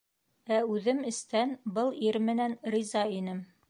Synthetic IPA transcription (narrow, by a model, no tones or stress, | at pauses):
æʉðɘmɘ̆st̪ænbɤlˠiɾmɘ̆nænrizɑinɘm